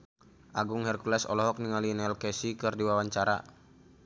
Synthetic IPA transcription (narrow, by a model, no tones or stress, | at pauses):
ʔaɡuŋhɛrkulɛsɔ̰lɔɦɔk̚niŋalinɛlkɛsikɨrdiwawaɲt͡ʃaɾa̰